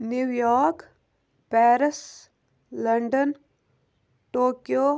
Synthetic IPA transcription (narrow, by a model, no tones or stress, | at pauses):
njuʋjɔːɾk | pɛːɾɪs | lɐɳɖən | ʈoːkjoː